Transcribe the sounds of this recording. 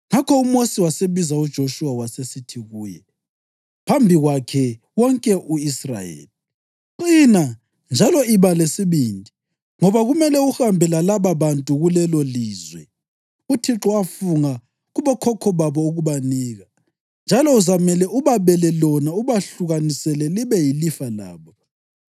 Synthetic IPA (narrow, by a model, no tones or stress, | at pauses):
ŋakʰɔumosiwaseβizaud̥ʒ̥ʱoʃuwawasesitʰiɣuːjɛ̰ | pʰambʱiɣwakʰɛ | wɔŋkʼɛʔuisra̰jḛːli | ǃina | nd͡ʒʱalɔiβalesiβindʱi | ŋɔβaɣumɛlɛuxambʱɛlalaβaβantʼuɣulɛloliːzwɛ̰ | utʰiǁɔafuŋa | ɣuβɔkʰɔkʰɔβaβɔuɣuβaniːɣa | nd͡ʒʱalɔuzamɛlɛʔuβaβɛlɛlɔnauβaɬuɣanisɛlɛliβɛjilifala̰ːβɔ